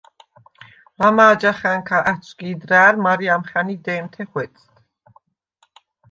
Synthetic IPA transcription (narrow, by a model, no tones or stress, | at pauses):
mamaːd͡ʒaχæŋkʰaʔæt͡ʃʰʼkiːd̪ɾæːɾmaɾiamχænid̪ɛːmt̪ʰɛχwɛt̪sʼt̪